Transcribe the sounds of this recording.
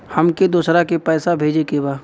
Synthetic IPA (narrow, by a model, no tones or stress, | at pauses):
hɐmked̪uːsɾakepɛːsabʱeːd͡ʒekebaː